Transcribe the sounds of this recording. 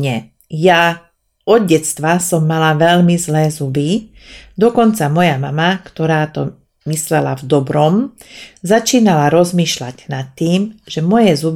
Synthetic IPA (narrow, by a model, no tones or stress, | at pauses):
ɲɛ | ja | ɔd̪ɟɛt͡st̪ʋasɔmːalaʋɛʎmizlɛːzubi | d̪ɔkɔnt͡samɔjamamakt̪ɔɾaːt̪ɔ̰ | mislɛla̰vd̪ɔbɾɔmzat͡ʃiːnalaɾɔzmiːʃla̰ɟnat̪ːiːmʒɛmɔjɛzub